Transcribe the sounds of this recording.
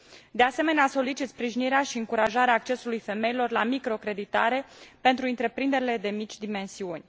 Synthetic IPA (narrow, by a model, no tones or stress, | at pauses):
d̪e̞ase̞me̞neaso̞lit͡ʃit̪spɾiʒiniɾeaʃiɨŋkuɾaʒaɾeaːk̚t͡ʃe̞sulujfe̞me̞jilo̞rlamikɾo̞kɾe̞d̪it̪aɾe̞pe̞nt̪ɾuɨnt̪ɾe̞pɾind̪e̞ɾile̞d̪e̞mit͡ʃʲd̪ime̞nsiunʲ